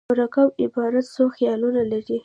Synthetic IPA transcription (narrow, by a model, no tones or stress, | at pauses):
ʊɾakawɪbɑɾat̪soxjɑlunalaɾi